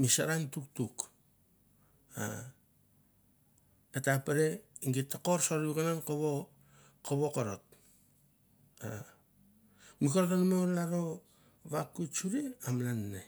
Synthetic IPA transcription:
misa̰ɾaŋtuk̚tuk | a̰ | etapeɾeiŋɡitːako̞ɾsoɾβikanankoβo | koβokoɾot̚ | a | mikoɾotanmolaɾo̞ | βakut͡ʃuɾiamlanːe

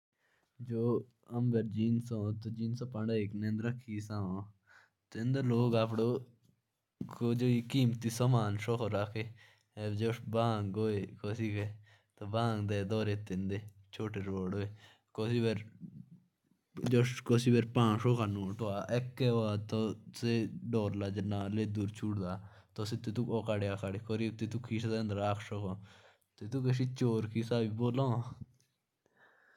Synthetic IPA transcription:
d͡ʒoː | əmbeɾd͡ʒiːnsõːt̪od͡ʒiːnsõːpə̃ɳɖaːeknẽːnd̪ɾəkʰːiːsãõ | t̪ɪ̃nd̪eːloːɡaːpɽoː | kod͡ʒoːikiːmt̪iːsəmaːnʃoːkʰoɾakʰe | d͡ʒobaːŋɡoːeːkoːsiːke | t̪obãːŋd̪eːd̪ɔːɾeːt̪ɪ̃nd̪eː | t͡ʃʰoːʈeːɾoːɽoːeː | koːsibeɾ | d͡ʒoʂkosibeɾpãːʂoːkanũːʈoaʔekːɛoat̪oseɖɔːɾlaːd͡ʒənãːleːd̪uːɾt͡ʃʰuɽd̪aː | t̪oset̪ːet̪ukoːkaɽejaːkʰaɽikoɾit̪et̪ukʰiːʃd̪ẽnd̪ɾaːkʰʃokõ | t̪et̪ukeʃ̬it͡ʃoːɾkisaːbiboːlõː

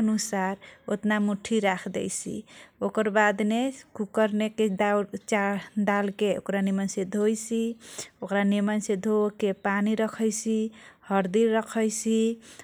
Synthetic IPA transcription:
nusaɾot̪namuʈʰiɾakʰd̪ɛ̰jt͡ʃʰḭokəɾbad̪nekukəɾneked̪at͡ʃad̪alkeo̰kɾanimənsed̪ʱojt͡ʃʰiokɾanimənsed̪ʱokepaniɾəkʰəjt͡ʃʰihəɾd̪iɾːəkʰəjt͡ʃʰi

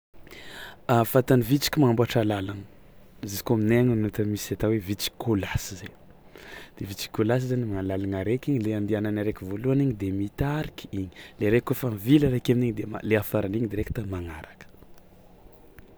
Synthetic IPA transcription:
afat̪anivit͡si̥kʲimaambaʈ͡ʂalalanə | zizi̥koamineŋanat̪əmisat̪awevit͡si̥kʰolasize | d̪̥evit͡si̥kːolas̬izanimaalalaŋaɾekiɲileand̪iananaɾekivoluaniɲid̪emit̪aɾikiiɲi̥leɾekːofanvilɾekaminiɲid̪ema̰leafaɾaniɲid̪eɾeki̥t̪amaŋaɾakə̥

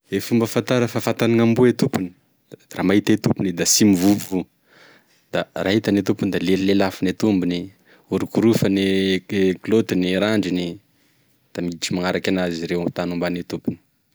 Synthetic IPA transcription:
efumbəfant̪aɾəfafat̪anaŋambuet̪upuni̥ | ramaɦit̪et̪upunid̪asimivuvu | d̪̥araɦit̪anit̪upunid̪alelilelafinet̪umbini | uɾukuɾufəne | klot̪iniɾaɳɖ͡ʐini | d̪̥amiʈ͡ʂimaŋaɾakʲanaziɾewt̪anumbanit̪upuni̥

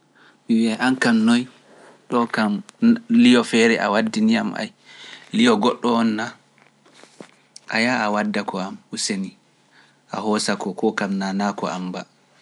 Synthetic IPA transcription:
miwiajʔankamnoj | ɗɔkamlijɔfɛɾɛʔa̰wadːiniamʔa̰j | lijɔɡɔɗːɔɔnːa | ʔa̰jaawadːakɔamuseni | ʔa̰ɦɔsakɔkɔkamnanakɔ̰a̰mba

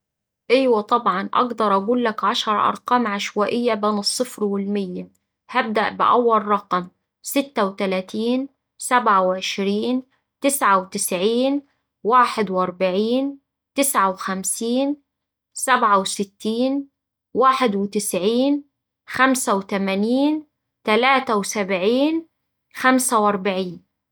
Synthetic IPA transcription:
ʔɪːwat̪ˤɑbʕɑnʔɑ̰ɡd̪ɑɾˤʔaɡuːlːakʕaʃɑɾˤʔɑ̰ɾˤqɑːmʕaʃwaːʔɪjːabeːnɨsˤːɨfɾwɪlmɪjːa | hab̚d̪aʔbɪ̰ʔæwːalːˤɑqm | sɪt̪ːawt̪alæːt̪iːn | sabʕawʕɪʃɾiːn | t̪ɪsʕawt̪ɪsʕiːn | waːħɪd̪wʔɑɾˤbaʕiːn | t̪ɪsʕawxamsiːn | sabʕawsɪt̪ːiːn | waːħɪd̪wɪt̪ɪsʕiːn | xamsawt̪amaniːn | t̪alaːt̪awsabʕiːn | xamsawʔɑɾˤbaʕiːn

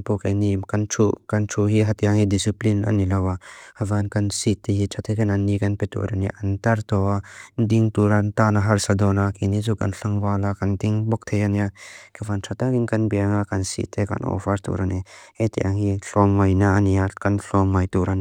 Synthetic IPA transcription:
npɔkajnimkantʰukantʰuɦiɦat̪iaŋhidisiplina̰nːilɐwaavankansit̪ːehitʰat̪ʰejkananːikɐnpɛt̪ṵɾaniʔantaɾt̪ɔandiŋtuɾant̪anaɦaɾsadɔnakinizukanɬaŋwalakant̪iŋbɔk̚t̪ʰejaniakavantʰatakiŋkanbijaŋakansḭt̪ʰːeka̰nʔɔ̰faɾt̪ṵɾanihet̪iʔaŋhiɬɔmːajnaaniakanɬɔmːajtuɾan

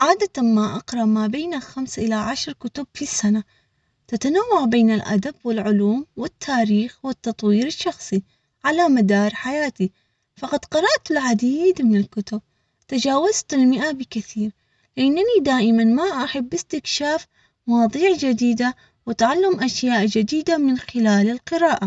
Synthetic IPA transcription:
ʕaːd̪at̪amaʔɑqɾˤɑʔmaːbeːnalxamsaʔɪlaʕaʃɾˤkʊt̪ʊbfisːana | t̪at̪anawːaʕbeːnɪlʔa̰d̪ab̚wɪlʕʊluːmwɪt̪ʰːaːɾiːxwɪt̪ːɑt̪ˤwiːɾɪʃːɑxsˤi | ʕalamad̪ɑːɾˤħajaːt̪i | fɑqɑd̪qɑɾˤɑʔt̪ɪlʕad̪iːd̪mɪnɪlkʊt̪ʊb̚ | t̪ad͡ʒaːwazt̪ɪlmɪʔabɪkaθiːɾ | lɪʔanːanid̪aːʔɪmanmaʔaħabːɪst̪ɪkʃaːf | mwɑðˤiːʕd͡ʒad̪iːd̪a | wɪt̪ʕalːamʔaʃjaːʔd͡ʒad̪iːd̪amɪnxɪlaːlɪlqɨɾaːʔa

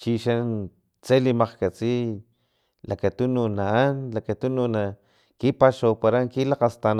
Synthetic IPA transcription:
t͡ʃiʃan | t͡selimaqkat͡si | lakat̪ununaanlakat̪ununa | kipaʃowpaɾaŋkilaqast̪an

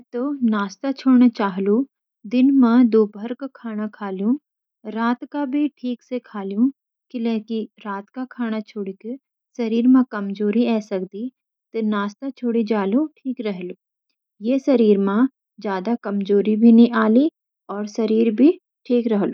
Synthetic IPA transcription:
mɛ̃t̪onaːst̪at͡ʃʰoːɽnat͡ʃaːɦlu | d̪ɪnmãd̪oːbʱɐɾkkʰaːñakʰaːljũ | ɾaːt̪kabʱiʈʰiːksekʰaːlijũ | kɪlɛːkiɾaːt̪kakʰaːɽ̃at͡ʃʰoːɽike | sɐɾiːɾmãkɐmd͡ʒoːɾiɛːsɐkd̪i | t̪enaːst̪at͡ʃʰoːɽid͡ʒaːloʈʰiːkɾɛɦluː | jesɐɾiːɾmã | d͡ʒjaːd̪akɐmd͡ʒoːɾibʱinĩʔaːli | ɔːɾsɐɾiːɾbʱi | ʈʰiːkɾɐɦloː

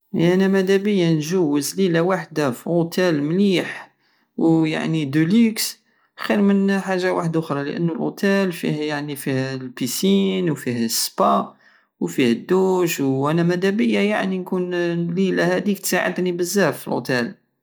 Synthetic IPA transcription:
ʔænæmæd̪æbəjːanʒuwəzlilawaħd̪afiɣot̪ʰælmliħ | wja̰ʕnid̪uliks | xiɾmənħaʒːawa̰ħəd̪ʔʊxɾˤɑlə̰ʔə̰nːʊlʔo̰t̪ælfḭhjaʕnifihlpisinwfihspɑ | wfihəd̪ːuʃwʔænæmæd̪æbəjːajaʕninkunlilæhæd̪ik̚t̪saʕə̰d̪nibəzːæfəlʔo̰t̪æl

